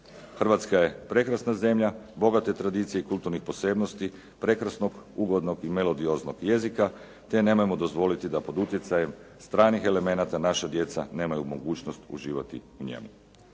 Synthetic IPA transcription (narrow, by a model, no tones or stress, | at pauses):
xərʋat̪skaje̞pɾe̞kɾasnaze̞mʎabo̞ɡat̪e̞t̪ɾad̪iːt̪sijeikulˠt̪uɾnixpo̞se̞bnost̪i | pɾe̞kɾasno̞ɡuɡo̞d̪no̞ɡime̞lo̞d̪io̞znoɡje̞zika | t̪e̞nemojemo̞d̪ozʋo̞lit̪id̪apo̞d̪ut̪je̞t̪sajemst̪ɾaːnixe̞le̞me̞nat̪anaʃad̪je̞t̪sa̰ne̞ːmajumo̞ɡuːt͡ʃnost̪ṵʒiːʋat̪ḭuɲḛmu